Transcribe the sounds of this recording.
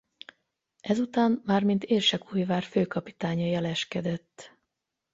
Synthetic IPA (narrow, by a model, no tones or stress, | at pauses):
ʔɛzut̪aːmmaːrmint̪eːrʃɛkʰuːjvaːrføːkɒpi̥t̪aːɲɒjɛlɛʃkɛd̪ɛt̪ː